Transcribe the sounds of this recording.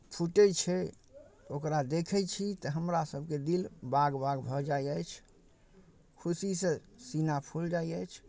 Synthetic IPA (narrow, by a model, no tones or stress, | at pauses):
pʰuʈɛt͡ʃʰɛ | okɾad̪ekʰɛt͡ʃʰit̪ɔɦəmɾasəbʱked̪ilbaɡbaɡbʱɔd͡ʒajəjt͡ʃʰ | kʰusisẽ | sinapʰuld͡ʒaiəjt͡ʃʰ